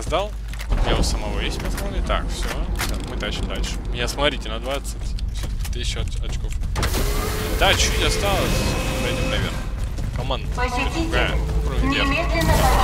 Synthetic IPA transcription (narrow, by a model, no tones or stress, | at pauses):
zd̪alˠ | javosəmɐvojesʲtʲmʲɪaskanəɪt̪a̰kfsʲoad̪umɨd̪aʃɨd̪alʲʂɨ̥mʲɪnʲasmɐt̪ɾʲitʲɪnɐd̪vat̪sɨtʲsʲot̪eʃɐt͡ɕkofad̪at͡ɕutʲɐst̪alˠəsʲp̪dʲomnɐvʲernə | kɐmand̪əd̪ɾʊɡajə̰pɾovʲe